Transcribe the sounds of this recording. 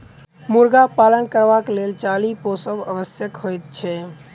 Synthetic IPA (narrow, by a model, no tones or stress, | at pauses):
muɾɡapalənkəɾʋakelelt͡ʃaliposəbə̰bəsjəkhojt̪̚t͡ʃʰɛ